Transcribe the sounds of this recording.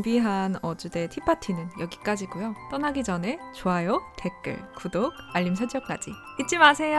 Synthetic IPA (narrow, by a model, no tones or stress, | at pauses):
biɦanʌd͡ʑude̞tʰipʰatʰinɯnjʌɡik͈ad͡ʑiɡojot͈ʌnaɡid͡ʑʌne̞t͡ɕoɦajotʰe̞k͈ɯ̰ɭkudoɡ̚aʎːims̬ʰʌd͡ʑʌk͈a̰d͡ʑḭ | it͡ɕ͈ʰimasʰe̞jo